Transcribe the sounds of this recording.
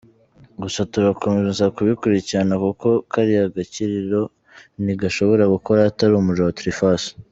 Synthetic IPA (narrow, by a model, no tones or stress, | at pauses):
ɡusatuɡako̞mezenzakuβikuɾiciɾanakuko̞kaɾijaɡaciɾiɾo̞ | niɡaʃo̞βo̞ɾaɡuko̞ɾaːtaɾumuʒawatuɾifas